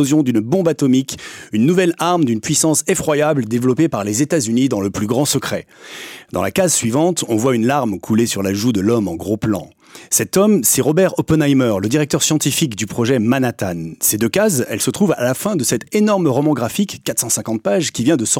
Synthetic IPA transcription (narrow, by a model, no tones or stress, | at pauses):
ozjɔ̃d̪ynbɔ̃bat̪ɔmikynːuvɛlaʁmd̪ynpɥisɑ̃sefχwajabləd̪evlɔpepaʁlezet̪azynid̪ɑ̃ləplyɡʁɑ̃səkχɛ | d̪ɑ̃la̰kazsɥivɑ̃t̪ɔ̃vwaynlaʁmkʰulesyʁlaʒud̪əlɔmɑ̃ɡʁoplɑ̰̃ | sɛt̪ɔmsɛʁɔbɛʁɔpɛnajmœʁləd̪iʁɛk̚t̪œʁsjɑ̃t̪ifikd̪ypχɔʒɛmanat̪ansed̪økazɛ̰lsət̪χuva̰lafɛ̃d̪əsɛt̪enɔʁmʁɔmɑ̃ɡʁafikːat̪χsɑ̃sɛ̃kɑ̃t̪̚paʒkʲivjɛ̃d̪əsɔ